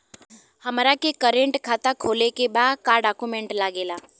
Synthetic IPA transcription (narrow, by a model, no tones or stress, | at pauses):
həmɾakekəɾẽɳʈkʰat̪akʰoːlekebaːd̪kaːɾɖakumẽɳʈlaːɡeːlaː